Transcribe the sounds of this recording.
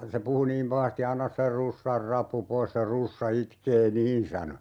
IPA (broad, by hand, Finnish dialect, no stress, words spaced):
se puhu niːm pɑhɑsti ɑnːɑ se rusːɑr rɑpːu pois se rusːɑ itkeː niːn sɑno